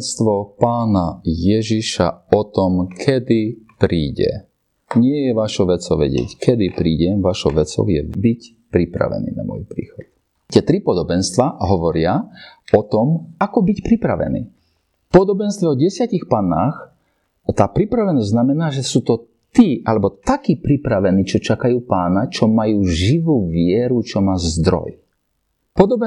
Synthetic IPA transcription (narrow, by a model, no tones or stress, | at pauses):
st̪ʋɔpaːnajɛʒiʃa̰ɔt̪ɔmkʰɛd̪ipɾiːɟɛ̰ | ɲɪɛjɛʋaʃɔʋɛt͡sɔʊʋɛ̰ɟɪ̰ɛ̰ckʰɛd̪ipɾiːɟɛmʋaʃɔʊʋɛt͡sɔ̰ʊjɛbic | pɾipɾa̰ʋɛ̰nḭːna̰mɔ̰jpɾḭːxɔt̪̚ | t̪ɪɛt̪ɾipɔd̪ɔbɛnst̪ʋaɦɔʋɔɾɪaɔt̪ɔmakɔbicpɾipɾa̰ʋɛ̰nḭː | pɔd̪ɔbɛnst̪ʋɛɔɟɛsɪacixpaːnːaːx | t̪aːpɾipɾaʋɛnɔzznamɛnaːʒɛsuːt̪ɔ | t̪iːʔalɛbɔt̪akiːpɾipɾaʋɛniːt͡ʃɔt͡ʃakajuːpaːnat͡ʃɔmajuːʒiʋuːʋɪɛɾut͡ʃɔmaːzd̪ɾɔ̰j | pɔd̪ɔb